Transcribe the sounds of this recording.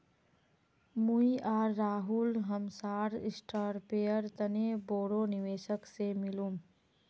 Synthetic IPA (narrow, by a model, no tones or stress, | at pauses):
muiʔaːɾːaːɦulɦəmsaːɾɪsʈaːɾpeːjəɾt̪əneboːɽonɪʋeːʃəksemɪlũm